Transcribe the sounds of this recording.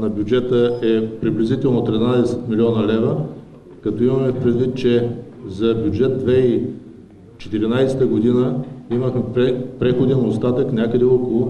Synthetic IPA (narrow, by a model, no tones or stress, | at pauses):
nɐbʲjud͡ʒɛt̪əɛpɾiblʲizit̪ɛlˠnot̪ɾinad̪ɛsɛ̥t̪milʲiɔnəlɛvə | kɐt̪ɔimɐmɛfpɾɛd̪vit̪̚t͡ʃɛ | zɐbʲjud͡ʒɛt̪̚d̪vɛi | t͡ʃɛ̥t̪iɾinajsɛt̪əɡod̪inəiməxmɛpɛpɾɛxod̪inost̪at̪əknʲakəd̪ɛokolˠʊ